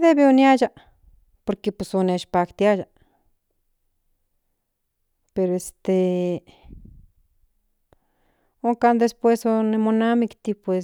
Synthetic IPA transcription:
ðebeonjad͡ʒa | poɾkepesoneʃpakt̪jad͡ʒa | peɾoest̪e | oŋkand̪espwesonemonamikt̪ipʷwes

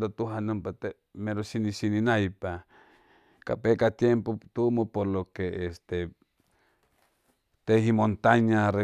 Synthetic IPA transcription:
d̪ot̪uɦanɨ̃mpat̪e | meɾosinisinĩnajpa | ka̰pekat̪jempot̪umopoɾlokeest̪e | t̪ehimõnt̪aɲare

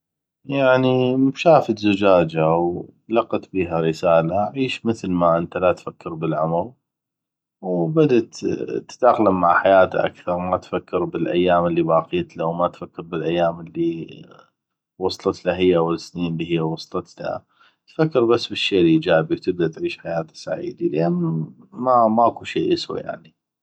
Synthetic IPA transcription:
jaʕnimʃaːfɪt̪zʊd͡ʒaːd͡ʒawlɑqːɑt̪biːɦaɾɪsaːlaʕiːʃməθlmaʔənt̪alat̪fakːɪɾbɪlʕamal | wbad̪at̪t̪ːd̪axlamːaʕħajaːt̪aʔa̰kθɑɾˤmat̪fakːɪɾbɪlʔa̰jːaːməlːibɑːqiːt̪lawmat̪fakːɪɾbɪlʔajːaːmɪlːi | wɑsˤt̪ˤɨt̪laɦɪjːawəlsniːnlːihɪjːawɑsˤt̪ˤɨt̪la̰ | t̪fakːɪɾbasːbɪʃːeːlʔid͡ʒaːbiwt̪ɪb̚d̪at̪ʕiːʃħajaːt̪ḁsa̰ʕḭːd̪ilʔanːmamaʔakuʃiːʔaswa̰ja̰ʕni

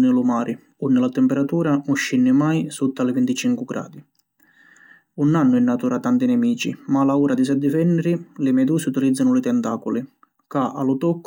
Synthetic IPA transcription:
nɪlʊmaːɾɪ | unːɪlat̪ɛmpɛɾat̪uːɾanuʃːinːɪmajsut̪ːalɪvint̪it͡ʃiŋkʊɡɾa̰ːd̪i | unanːʊɛnːat̪uːɾat̪ant̪inɛmiːt͡ʃḭmalauːɾad̪is̬ɛd̪ːɪvɛnːɛɾilɪmɛd̪uːsiut̪ilid̪zːanʊlɪt̪ɛnt̪aːkʊli | kaʔa̰lʊt̪ɔkː

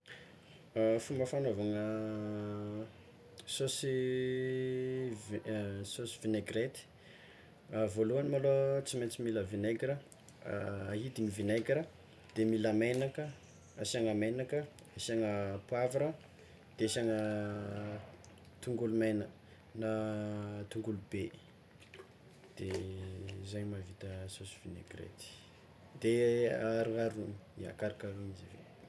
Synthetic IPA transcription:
fumbəfanovaŋə | sosi | vsosivineɡret̪i̥ | avoluanimalot͡simet͡similəvineɡɾə̰ | aɦid̪inivineɡɾə | d̪̥emiləmenakə | asiaŋamenakə | asiaŋəpuavaɾə | d̪̥esaŋə | t̪uŋɡulumajna | na | t̪uŋɡulub̥e | d̪̥e | zaɲmavit̪əsosu̥v̥inḛɡrḛt̪i̥ | d̪eaɾuŋaɾunia̰kaɾikaɾunizivḛ

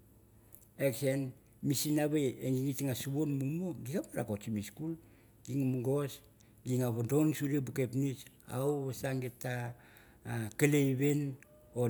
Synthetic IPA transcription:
eksen | misinaβeeŋɡiŋitŋasuβonmumoɡikapaɾa̰kot͡ʃimiskul | ɡ̥iŋmuɡos | ɡiŋaβadonsuɾiebukepnit͡ʃ | a̰wasaŋɡetːa | kalejβen | o

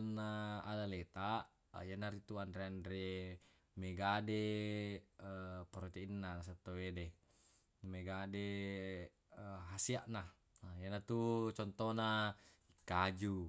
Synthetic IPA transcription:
nːaadalet̪a | jenːaɾit̪uandɾeandɾe | meɡade | pɾot̪einːanas̬at̪ːowede | meɡade | ɦasiaʔna | janːat̪ut͡ʃɔnt̪onaikːad͡ʒu

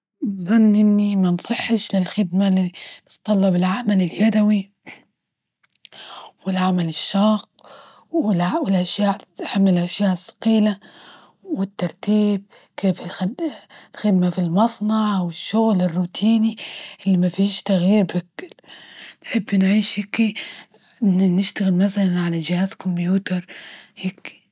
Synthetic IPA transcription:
nzˤɑnːʔɪnːimansˤɨħːɪʃlɪlxɪd̪malːint̪ˤːɑlːɑbɪlʕamalɪljad̪awi | wɪlʕamalɪʃːɑːq | ɪlawɪlʔaʃjaːʔħamːɪlʔaʃjaːʔɪsːɑ̥qiːla | wɪt̪ːɑɾˤt̪iːb̚ | kʰeːfɪlxdlxɪd̪̚mafilmɑsˤnɑʕwɪʃːʊɣlɪrːuːt̪ʰiːniʔɪlːimafiːʃt̪aɣiːɾbɪk | nħɪbːnʕiːʃhɪkːi | nnɪʃt̪aɣɪlmaθalanʕalad͡ʒɪhaːzkʊmbjuːt̪ɑɾˤhɪki̥

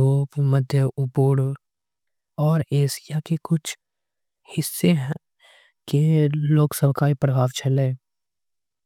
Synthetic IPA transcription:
oːpməd̪ʱjəʔʊboːɽ | ɔːɾeːsijakekʊt͡ʃʰ | hɪsːeɦ | keloːksəbʱkaːipɾəbʱaːʋt͡ʃɐleː

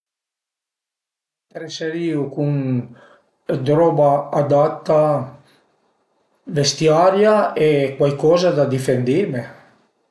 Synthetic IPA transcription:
t̪ɾeseɾiːukuŋ | d̪ɾɔːbaːd̪at̪ːa | vest̪jaːɾjaɛkwajkɔːzad̪ad̪ifend̪ime

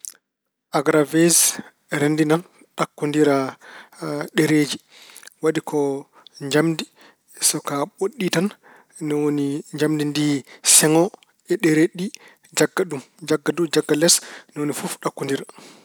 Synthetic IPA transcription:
ʔaɡɾavez | ɾendinan | ɗakːundiɾa | ɗɛɾed͡ʒi | waɗikʰɔ | ɲd͡ʒamdi | sɔkaɓoɗːitan | nɛwoniɲd͡ʒamdindisɛŋɔ | ɛɗɛɾeɗi | d͡ʒaɡːaɗum | d͡ʒaɡːadumd͡ʒaɡːalɛsnɛwonifufɗakːundiɾa

